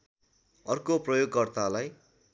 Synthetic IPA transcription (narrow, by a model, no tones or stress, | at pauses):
ʌrkoprʌjoɡkʌrt̪alaj